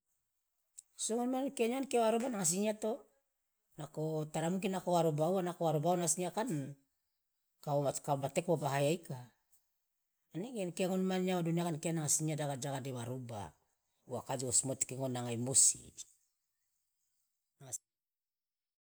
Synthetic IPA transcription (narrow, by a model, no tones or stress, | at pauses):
soŋonmankeɲankewaɾobanaŋas̬iniato | nakotaɾamuk̬inakoaɾobauanakoaɾobaonaasiŋiakan | kaakabatekbobaɦajajka | neɡenkeŋonmaniawadoniakankeanaŋasiɲiadaɡadaɡadeβaɾoba̰ | uakad͡ʒiosmotkeŋonaŋajmosḭ | aŋa